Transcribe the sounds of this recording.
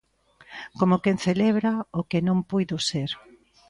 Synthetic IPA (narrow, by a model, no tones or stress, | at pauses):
komokenθeleβɾaokenõŋpujðoseɾ